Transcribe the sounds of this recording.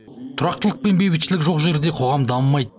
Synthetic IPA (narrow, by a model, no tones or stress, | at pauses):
t̪ʰʊɾɑq̚t̪əlˠəq̚pe̞nbebɪt̪ʃɪlɪkʒo̞qʒe̞ɾd̪e̞qʰo̞ʁɑmd̪ɑmmːɑjd̪